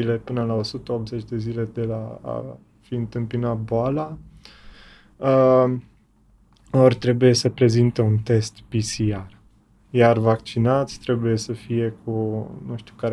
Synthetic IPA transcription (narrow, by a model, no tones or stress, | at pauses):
ile̞pɨnəlao̞sut̪əop̪ze̞t͡ʃʲd̪e̞zile̞d̪e̞laa̰ | fiɨnt̪ɨmpinat̪̚boala | ə | orʲt̪ɾe̞buje̞səpɾe̞zint̪eunt̪e̞st̪pisiar | jarvakt͡ʃinat̪sʲt̪ɾe̞buje̞səfije̞kʰunũʃt̪ukaɾ